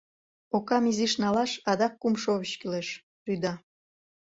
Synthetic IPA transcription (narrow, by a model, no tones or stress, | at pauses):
okɑmiziʃnɑlɑʃɑd̪ɑkːumʃoβəɕkileʃ | ryd̪ɑ